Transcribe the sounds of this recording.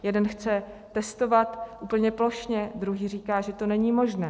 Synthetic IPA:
jɛdɛnxt͡sɛ | t̪ɛst̪o̞vat̪ʔuːpl̩ɲɛplo̞ʃɲɛd̪ɾuɦiːriːkaːʒɛt̪o̞nɛɲimo̞ʒnɛː

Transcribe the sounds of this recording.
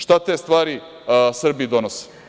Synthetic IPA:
ʃt̪at̪eːst̪ʋaːɾi | sr̩bid̪onose̥

